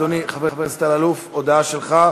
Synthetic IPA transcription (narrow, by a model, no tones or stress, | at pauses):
oniχavevest̪alalufod̪aaʃelχa